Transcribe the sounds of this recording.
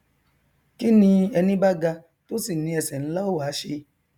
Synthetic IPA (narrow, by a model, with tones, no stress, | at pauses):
ki˦nĩ˧ɛ˧nĩ˦ba˦ɡa˧ | to˦si˦˨nĩ˨˧ɛ˧sɛ˨ñ̩˦la˦o˦˨wa˨˦ʃe˧